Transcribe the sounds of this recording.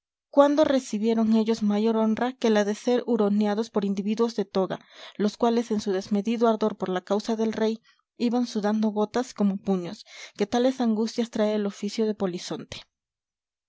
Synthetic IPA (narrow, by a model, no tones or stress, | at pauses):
kwand̪o̞re̞siβje̞ɾo̞ŋe̞ʝo̞zmaʝo̞ɾo̞nrake̞laðe̞se̞ɾuɾo̞njaðo̞spo̞ɾind̪iβiðwo̞zðe̞t̪o̞ɣa̰loskwale̞se̞nsuðe̞zme̞ðiðoaɾðo̞ɾpo̞ɾlakawsaðe̞lre̞j | iβansuðand̪o̞ɣo̞t̪asko̞mo̞puɲo̞ske̞t̪ale̞saŋɡust̪jast̪ɾaeːlo̞fisjo̞ð̞e̞po̞liso̞nt̪e̥